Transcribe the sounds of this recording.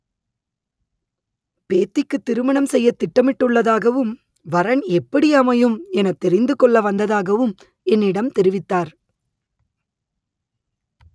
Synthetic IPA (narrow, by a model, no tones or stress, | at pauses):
peːt̪ːɪkːɯt̪ːɪɾɯmɐɳɐmsɛjːɐt̪ːɪʈːɐmɪʈːɯɭːɐðaːɣɐʋɯm | ʋɐɾɐɳɛpːɐɽɪjɐmɐjɯmɛnɐt̪ːɛɾɪnd̪ɯkɔɭːɐʋɐnd̪ɐðaːɣɐʋɯm | ɛnːɪɽɐmt̪ɛɾɪʋɪt̪ːaːɾ